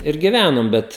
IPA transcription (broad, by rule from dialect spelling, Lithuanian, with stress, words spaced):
ɪr ɡʲɪˈʋʲænoːm ˈbʲɛt